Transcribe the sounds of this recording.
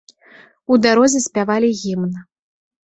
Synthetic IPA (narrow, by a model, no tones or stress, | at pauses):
ud̪aɾɔzʲɛsʲpʲavalʲiɣʲimnɐ